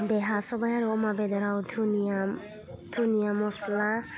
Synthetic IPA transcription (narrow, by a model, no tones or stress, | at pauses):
beɦasɔbajaɾuɔmabed̪ɔɾawdʰuna | dʰunijamɔsla